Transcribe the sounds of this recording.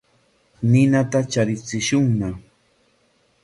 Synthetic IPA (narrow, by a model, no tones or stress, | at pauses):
nɪnat̪at͡ʃaɾɪt͡sɪʃʊŋna